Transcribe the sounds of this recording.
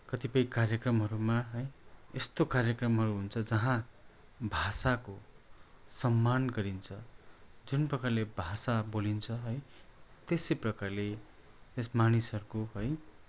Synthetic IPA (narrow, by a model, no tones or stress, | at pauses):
kʌt̪ipʌĩkarjʌkrʌmɦʌɾumaɦʌjest̪okarjʌkrʌmɦʌɾuɦunt͡sʰʌd͡zʌɦã | bʱasako | sʌmːanɡʌɾint͡sʰʌd͡zunprʌkarlebʱasabolint͡sʰʌɦʌjt̪esʌprʌkarle | t̪esmanisʌɾukoɦʌj